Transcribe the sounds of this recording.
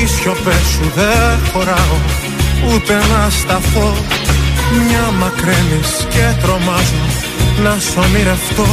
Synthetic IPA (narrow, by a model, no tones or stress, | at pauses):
isçopesuðexo̞ɾɐo | ut̪e̞nɐst̪ɐfo | mɲɐmɐkɾeniscet̪ɾo̞mɐzu | nɐsomiɾeft̪o